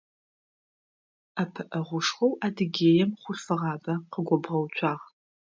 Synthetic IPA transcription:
apʰɨʔɐʁʷʊʂχʷɔwʔaːdɨɡʲeːjɛmχʷʊɬfɨʁɑːbɐqəɡʷɔbʁɐwt͡ʃʷʰʼɑːʁ

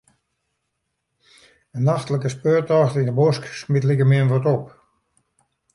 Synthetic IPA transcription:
ənaxtələkəspøːtɔxtindəbosksmɪtlikəmɪənʋɔtɔp

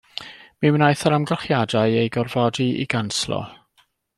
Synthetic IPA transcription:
mimnajθaɾamɡəlˠχjadaɨejɡɔrvɔdiḭɡanslˠɔ̰

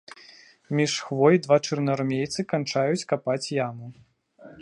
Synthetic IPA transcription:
mʲiʂxvɔjd̪vat͡ʂɨrnɐɾmʲejt̪sɨkant͡ʂajut͡sʲkapat͡sʲjamu

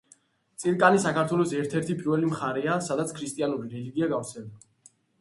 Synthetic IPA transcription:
t̪sʼiɾkʼanisakaɾt̪ʰwɛlɔsɛɾt̪ʰɛɾt̪ʰipʼiɾvɛlimχaɾɛasad̪at̪sʰkʰɾist̪ʼianuɾiɾɛliɡiaɡavt̪sʰɛld̪a

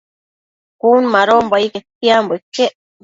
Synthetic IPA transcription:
kunmaɾombajket̪̚ːiamboekːeʔ

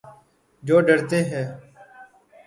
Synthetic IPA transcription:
d͡ʒoːɖəɽt̪ẽːɦɛː

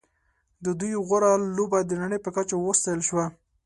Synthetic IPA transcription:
d̪əd̪ujɣʊɾalːobajd̪ːənaɳəjpəkat͡ʃawəst̪ajəlʃwa

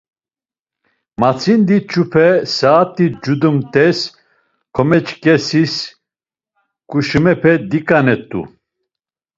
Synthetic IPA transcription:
mat͡sʰind̪it͡ʃʰupʰɛsaːt̪ʼid͡ʒud̪umt̪ʼɛs | kʰɔmɛt͡ʃʼkʼɛsis | kʼuʃumɛpʰɛd̪ikʼanɛt̪ʼṵ

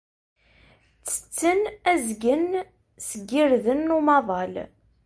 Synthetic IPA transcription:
t͡sːə̥t͡sːənæzɡən | səɡːiɾðənːumɑðˤɑl

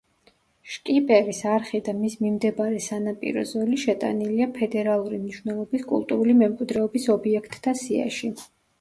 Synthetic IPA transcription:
ʃkʼipʼɛvisaɾχid̪amismimd̪ɛbaɾɛsanapʼḭɾɔ̰zɔliʃɛt̪ʼa̰niliapʰɛd̪ɛɾalˠuɾimniʃwnɛlˠɔbiskʼṵlˠt̪ʼuɾulimɛmkʼwid̪ɾɛɔbisɔbiɛkʰt̪ʼːasia̰ʃi

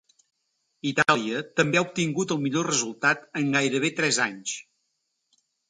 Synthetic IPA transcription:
it̪alˠiət̪əmbeaup̚t̪iŋɡut̪əlˠmiʎorəzulˠt̪at̪əŋɡajɾəβ̞et̪ɾɛzaɲs

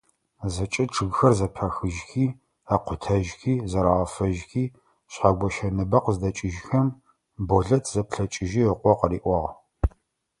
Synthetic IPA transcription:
zɐt͡ʃʼɐʈ͡ʂʰɨɣxɐrzɐpʰɐxɨʒxiː | aqʷʰʊtʰɐʒxiːzɐɾaʁɐfɐʒxiː | ɕħaɡʷɔʃɐnɨbɐqzdɐt͡ʃʼɪʒxɐm | boɮɐtʰz̥ɐpɬɐt͡ʃʼɪʒiəqʷɔqəriːʔʷɔʁ

